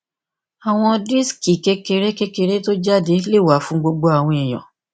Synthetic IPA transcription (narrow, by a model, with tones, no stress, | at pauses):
a˨w̃ɔ̃˧di˦ski˨ke˧˦ke˧ɾe˦ke˦ke˧ɾe˦to˦d͡ʒa˦˨de˨˦le˦˨wa˨˦fũ˦ɡ͡bo˧ɡ͡bo˧a˨w̃ɔ̃˧i˨j̃ɔ̰̃˨